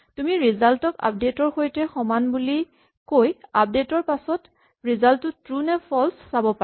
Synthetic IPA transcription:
tumiɹizaltɔka̰p̚detɔɹxojtɛxɔmanbuli | kojap̚detɔɹpasɔt | ɹizaltʊtɹunɛpʰɔlssabɔpa

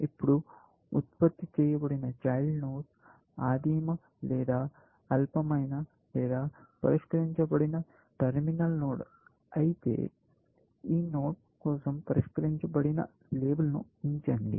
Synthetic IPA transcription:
ipːuɽu | ut̪̚pɐt̪ːit͡ʃɛːjɐbɐɽinɐt͡ʃɐjlnoːʈ | aːd̪iːmɐ | lɛːd̪aː | ɐlpɐmɐjnɐ | lɛːd̪aːpɐɾiʂkɐɾiɲt͡ʃɐbɐɽinɐ | ʈɐɾminɐlnoːɽ | ɐjit̪e̞̰ː | iːnoːʈ̚ | kɔːsɐmpɐɾiʂkɐɾiɲt͡ʃɐbɐɽinɐ̰ | leːbɐlɐnuiɲt͡ʃɐɳɖḭ

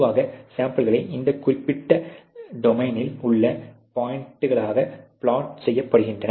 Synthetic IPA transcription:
ʋaːɣɐsaːmpɐlɣɐɭɐɪʔɪnd̪ɐkːʊrɪpːɪʈːɐɖɔmɐɪnɪlʊɭːɐpaːjɪɳʈːɯɣɐɭaːɣɐpɪɭaːʈsɛjːɐpːɐɽɯɣɪndrɐnɐ

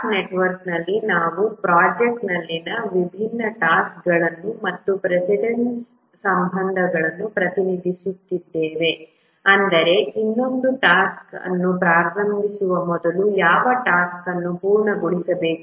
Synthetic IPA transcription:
neʈʋɐɾknɐlːinaːʋupɾaːd͡ʒek̚ʈnɐlːinɐʋibʱinːɐʈaːskɡɐɭɐnːumɐt̪ːupɾesiɖeɳ | sɐmbʱɐnd̪ʱɐɡɐɭɐnːupɾɐt̪inid̪ʱisut̪ːid̪ːeːʋe̞ | ɐnd̪ɐɾe̞inːo̞nd̪uʈaːskɐ̰nːupɾaːɾɾɐmbʱisuʋɐmɔd̪ɐlujaːʋɐʈaːskɐnːupuːɾɳɐɡoɭisɐbe̞ːk

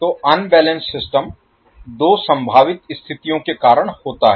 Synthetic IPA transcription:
t̪oːʔɐnbɛːlə̃nsːɪsʈəm | d̪oːsɐ̃mbʱaːʋɪt̪ɪst̪ʰɪt̪ijõkekaːɾəɽ̃hoːt̪aɦɛ

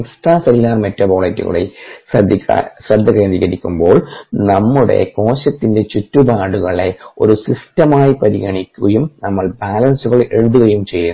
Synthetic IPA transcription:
eksʈraːsɐɾilːaːrmetːɐboːɭɐtːṵɣɐ̰ɭḛ | sɾɐd̪ʱːɐkːeːnd̪iɣɐɾikʲːumbo̞ːɭnɐmːuɽe̞̰ko̞ːɕɐt̪ːinde̞t͡ɕutːubaːɽuɣɐɭe̞o̞̰ɾusistɐmaːjipɐɾiɣɐɳikʲːuɣɐjumnɐmːɐɭbaːlɐnsuɣɐɭe̞ɻuðuɣɐjumt͡ɕe̞jːun

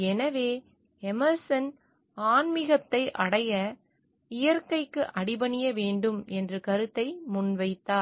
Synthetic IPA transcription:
ɛnɐʋeː | ɛmɐɾsɐn | aːnmɪɣɐt̪ːɐɪʔɐɽɐjɐ | ɪjɐɾkɐɪkːɯʔɐɽɪbɐɳɪjɐʋeːɳɖɯmɛndrɯkɐɾɯt̪ːɐɪmʊnʋɐɪt̪ːaːɾ

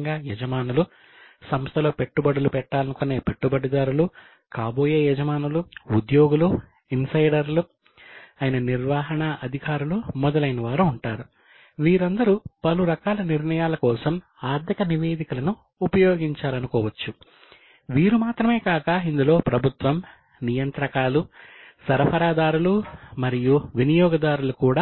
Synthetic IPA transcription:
ŋɡaːjɛd͡ʒɐmaːnɐlu | sɐmst̪ʰɐlo̞ːpe̞ʈːubɐɽulupɛʈːaːlɐnukone̞ːpe̞ʈːubɐɽid̪aːɾulu | kaːbo̞ːje̞ːjɛd͡ʒɐmaːnuluud̪joːɡulu | insɐjɖɐɾlu | ɐːjinɐniɾʋaːɦɐɳɐʔɐd̪ʱikaːɾulumɔd̪ɐlɐjnɐʋaːɾuːɳʈaːɾu | ʋiːɾɐnd̪ɐɾupɐluɾɐkaːlɐniɾɳɐjaːlɐkɔːsɐm | aːɾd̪jɐkɐniʋe̞ːd̪ikulɐnuː | pɐjoːɡiɲt͡ʃaːlɐnukɔːʋɐt͡ʃːu | ʋiːɾumaːt̪ɾɐme̞ːkaːkɐind̪ulo̞ːpɾɐbʱut̪ʋɐm | nijɐnt̪ɾɐkaːlusɐɾɐpʰɐɾaːd̪aːɾulumɐɾijuʋinijɔːɡɐd̪aːɾulukuːɽaː

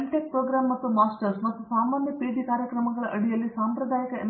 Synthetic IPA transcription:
lʈek̚pɾoːɡɾaːmːɐt̪ːumaːsʈɐɾsmɐt̪ːusaːmːaːnjɐpɾeːd̪ikaːɾjɐkɾɐmɐɡɐɭɐʔɐɽijɐlːisaːmpɾɐd̪ʱaːjɐkɐḛm

